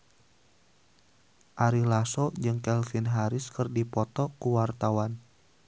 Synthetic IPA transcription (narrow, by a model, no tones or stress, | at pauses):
ʔaɾilasɔd͡ʒɨŋkɛlfinɦaɾɪskɨrdipɔt̪ɔkuwart̪awan